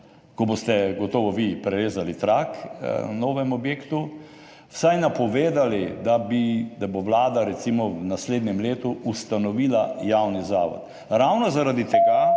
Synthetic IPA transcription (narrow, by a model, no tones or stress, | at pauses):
kɔbost̪ɛɡɔt̪oːʋɔʋipɾɛɾeːzalit̪ɾaknoːʋɛmɔbjeːkt̪u | wsajnapɔʋeːd̪alid̪abid̪aboʋlaːd̪aɾɛt̪simɔwnasleːd̪nʲɛmleːt̪uust̪anɔʋiːlajawnizaːʋɔ̰t̪ | ɾawnɔzaɾad̪it̪ɛɡa